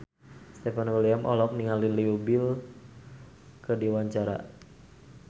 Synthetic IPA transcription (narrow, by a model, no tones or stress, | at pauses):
st̪efanwəliamʔɔlɔk̚niŋaliliubil | kədiwaɲt͡ʃaɾa̰